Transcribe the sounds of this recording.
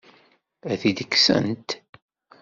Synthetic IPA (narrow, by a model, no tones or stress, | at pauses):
æθid̪əkːsə̰nt̪